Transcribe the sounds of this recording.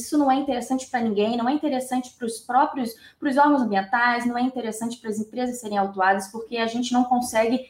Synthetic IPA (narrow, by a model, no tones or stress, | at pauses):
sʊnɐ̃w̃ɛĩt̪eɾesɐ̃nt͡ʃɪ̥pɾɐnĩŋɡẽj̃nɐ̃w̃ɛĩt̪eɾesɐ̃nt͡ʃɪ̥pɾʊspɾɔpɾjʊs | pɾʊzɔɾɡɐ̃zɐ̃mbiẽnt̪ajsnɐ̃w̃ɛĩt̪eɾesɐ̃nt͡ʃɪ̥pɾɐzĩpɾezɐsːeɾẽj̃awt̪uad̪ɐspoɾkeaʒẽnt͡ʃɪnɐ̃w̃kõsɛɡɪ